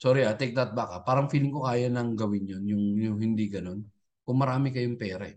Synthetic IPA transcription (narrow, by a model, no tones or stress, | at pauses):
soɾɪat̪ɛk̚d̪ɐt̪̚bakɐpaːɾɐŋfilmkokaːjɐnɐŋɡɐwɪnjonjʊŋjʊŋhɪnd̪iɡɐno̞n | kʊŋmɐɾaːmɪkɐjʊŋpɛːɾɐɛ